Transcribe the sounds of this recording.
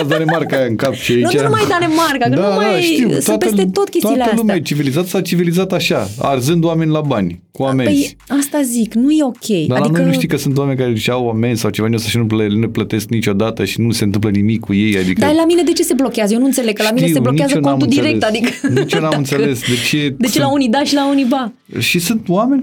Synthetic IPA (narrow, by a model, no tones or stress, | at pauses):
d̪anemarkajaɨŋkapʃiainut͡ʃanumajd̪anemarkakəd̪amd̪aʃt̪iwt̪oatpeəst̪et̪o̞t̪kʲe̞st̪oiləlumat͡ʃivilizat̪sat͡ʃivilizat̪aʃaa̰rzɨnd̪oame̞nʲlabanʲkuamepej | ast̪aziknuje̞o̞kʲʰe̞jd̪adlainojənuʃt̪iwkəsunt̪̬wame̞nʲkaɾeʃawame̞nʲsawt͡ʃevanʲosaʃinupneplət̪e̞sknit͡ʃʲo̞d̪at̪əʃinuse̞nt̪ɨmp̬lənimikʰːuje̞ja̰d̪ikdəaalamine̞d̪e̞t͡ʃe̞se̞blo̞kʲeazəjeonuɨnt̪seleɡkəlaamineseblokeazəkoamund̪ieɾe̞kt̪ad̪ikənt͡ʃenammɨnt̪sele̞sd̪e̞t͡ʃe̞d̪e̞t͡ʃelaunid̪aʃilauniba | ʃisunt̪wame̞nʲ